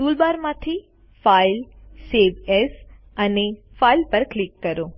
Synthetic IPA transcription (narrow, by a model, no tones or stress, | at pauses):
t̪ulbaɾmãt̪ʰi | failseʋes | əne | failpəɾklikːəɾo